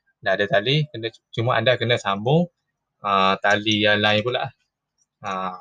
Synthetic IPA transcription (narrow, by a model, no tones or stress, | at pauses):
ndaadət̪alikənət͡ʃumaʔa̰ndakənəsambʊŋ | ət̪aliəlaɪpula̰ʔh | ə